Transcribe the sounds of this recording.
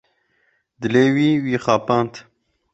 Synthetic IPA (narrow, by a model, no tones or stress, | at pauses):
d̪ɨleːwiːwiːχaːpaːnt̪